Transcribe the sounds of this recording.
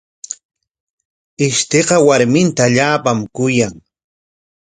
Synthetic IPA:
ɪʃt̪eqɑwaɾmɪnt̪aːʎaːpamkʊjaŋ

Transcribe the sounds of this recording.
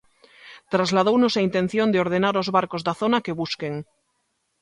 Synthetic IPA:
t̪ɾazlað̞ownosaint̪e̞n̟θjo̞nd̪eo̞ɾð̞e̞naɾozβaɾkozðaθo̞nake̞β̞uskeŋ

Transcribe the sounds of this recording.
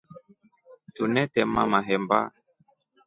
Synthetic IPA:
tunɛtɛma̰maɦɛmba̰

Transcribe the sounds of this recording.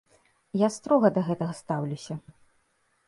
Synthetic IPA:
jast̪ɾɔɣɐd̪ɐɣɛt̪ɐɣɐst̪awlʲusʲɐ

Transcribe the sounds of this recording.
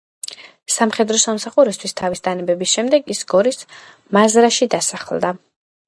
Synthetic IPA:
samχɛd̪ɾɔsamsaχuɾist̪ʰwist̪ʰavisd̪ʰanɛbɛbisʃɛmd̪ɛɡisɡɔɾis | mazɾaʃid̪asaχlˠd̪a

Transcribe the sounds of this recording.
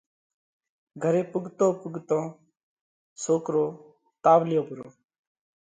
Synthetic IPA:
ɡʱəɾeːpʊɡt̪õːpʊɡt̪õː | soːkɾoː | t̪aːʋlɪjõːbʊɾoː

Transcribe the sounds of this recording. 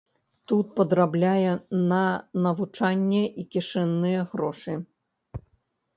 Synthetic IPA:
t̪ut̪̚pɐd̪ɾablʲajɛnɐnɐvut͡ʂanʲːɛʔikʲiʂɛnːɨjɛɣɾɔʂɨ

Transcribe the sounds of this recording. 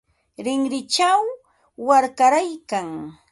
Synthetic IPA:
ɾɪŋɾɪt͡ʃawː | aɾkaɾajkaŋ

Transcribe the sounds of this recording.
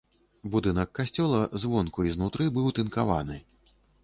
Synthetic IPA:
bud̪ɨnɐkːasʲt͡sʲɔlˠɐzvɔnkuiznut̪ɾɨbɨwt̪ɨnkava̰nɨ

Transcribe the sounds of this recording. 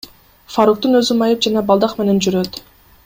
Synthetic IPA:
faɾuk̚t̪unø̞zymɑjɯp̚d͡ʒɑnɑbɑlˠd̪ɑqme̞ne̞nd͡ʒyɾøt̪

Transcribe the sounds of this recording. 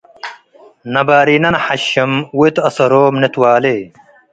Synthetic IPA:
nɐbaːɾinɐnɐħɐɕɐmwet̪ɐsɐɾoːmnet̪waːle

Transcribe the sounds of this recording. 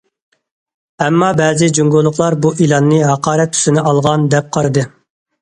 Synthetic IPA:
ɛmːɑbɛːzɪd͡ʒuŋɡolˠːʊχlˠɑɾbuʔilˠɑnːɨɦɑqɑːɾɛt̪ʰːy̥sɪnɪʔɑlˠʁɑnd̪ɛp̚qʰɑɾɨd̪ɨ

